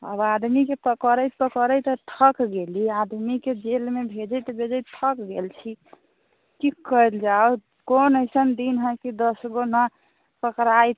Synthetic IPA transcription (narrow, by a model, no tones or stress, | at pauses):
ə̰bad̪mikepəkəɾəjt̪pəkəɾəjt̪ət̪ʰəkɡeliad̪miked͡ʒelmebʱed͡ʒəjt̪əbʱed͡ʒəjt̪ʰəkɡelt͡ʃʰi | kikəld͡ʒao | konəjsənd̪inɦə̃kid̪əsɡona | pəkɾajt̪